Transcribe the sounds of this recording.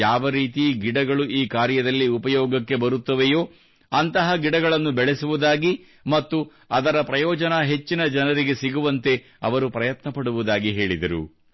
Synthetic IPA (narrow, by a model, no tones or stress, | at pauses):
jaːʋɐɾiːt̪̬iɡiɽɐɡɐɭuʔiːkaːɾjɐd̪ɐlːiupɐjɔːɡɐkːe̞bɐɾut̪ːɐʋejo̞ː | ɐnt̪ɐɦɐɡiɽɐɡɐɭɐnːubɛɭesuʋud̪aːɡi | mɐt̪ːu | ɐd̪ɐɾɐpɾɐjɔːd͡ʒɐnɐɦe̞t͡ʃːinɐd͡ʒɐnɐɾiɡe̞siɡuʋɐnt̪e̞ | ɐ̰ʋɐɾupɾɐjɐt̪nɐpɐɽuʋud̪aːɡiɦe̞ːɭid̪ɐɾṵ